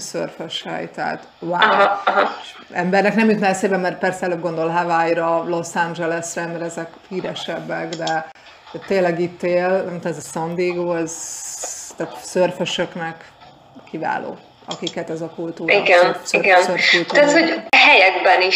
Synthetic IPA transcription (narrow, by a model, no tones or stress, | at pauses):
sø̰rføʃhɛ̰jt̪a̰ːt̪ | waɦɦɑ | ɛmbɛrnɛknɛmjot̪nɛseːbɛmːɛrt̪̚pɛrsɛɛløːb̚ɡo̞nd̪olɦavajɾɒlo̞sand͡ʒɛlɛsrɛnd̪ɾɛɛzɛkhiːɾɛʃɛbːɛɡd̪ɛ | t̪ːeːlɛɡit̪ːeːlnɛmt̪omɛzɛsɒnd̪iːɡoːɛz | t̪aːt̪sørføʃøknɛk | kʰːiva̰ːlʔo̰ː | ɒ̰kikɛt̪ɛzɒkult̪uːiɡɛnsiɡɛnsørfult̪t̪at̪hoɦɛjɛɡbɛni